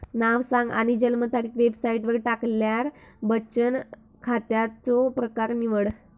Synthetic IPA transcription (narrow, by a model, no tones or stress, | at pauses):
naʋsãŋɡa̰ɽ̃id͡ʑəlmət̪ʰaɾiːkʋebsaiʈʋəɾʈakljaɾbəɕən | kʰat̪jat͡sopɾəkaɾniʋəɽ